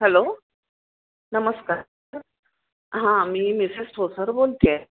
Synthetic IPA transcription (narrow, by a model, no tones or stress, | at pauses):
ɦɛlo | nəməska | ɾ | ɦãmiːmisisʈʰosəɾbolt̪jɛ